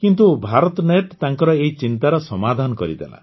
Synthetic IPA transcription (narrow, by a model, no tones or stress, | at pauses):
kint̪̬ubʱaɾɔt̪ɔneʈt̪aŋkɔɾɔeɦit͡ʃint̪aɾɔsɔmad̪ʱanɔkɔɾḭd̪ḛla̰